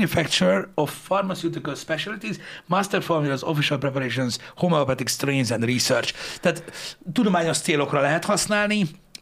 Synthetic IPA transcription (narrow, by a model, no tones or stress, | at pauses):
ɲufɛkt͡ʃuɾofːɒrmasiut̪ikəlspɛʃɛlit̪izmast̪ɛɾformilɛzofiʃalpɾɛpaɾeːʃ̬onshomɛopat̪ikst̪reːnzɛnd̪risørt͡ʃt̪aːt̪t̪ud̪o̞maːɲo̞ʃt̪seːlo̞krɒlɛɦɛt̪hɒsnaːlni